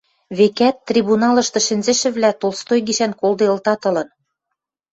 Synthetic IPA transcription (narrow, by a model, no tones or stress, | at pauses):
βekæt̪ːrʲiβunɑlɤ̆ʃt̪ɤ̆ʃɘ̆nʲzɘ̆ʃɘ̆βlæt̪olˠst̪ojɡiʃænkolˠd̪eɤ̆lt̪ɑt̪ɤ̆lɤ̆n